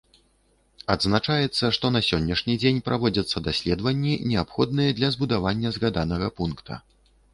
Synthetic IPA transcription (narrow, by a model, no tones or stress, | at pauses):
ad̪znat͡ʂajɛt̪sːɐʂt̪ɔnɐsʲɔnʲːɐʂnʲid͡zʲenʲpɾʔavɔd͡zʲɐt̪sːɐd̪asʲlʲɛd̪vɐnʲːinʲɛapxɔd̪nɨjɐd̪lʲɐzbud̪avanʲːɐzɣad̪anɐɣɐpunkt̪ʰɐ̰